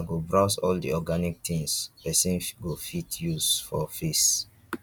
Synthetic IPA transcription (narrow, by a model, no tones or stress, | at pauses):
aɡobɹaʊsɔldḭɔɡanik̚t̪ʰĩŋspɛsĩnɡofitjuzfɔfis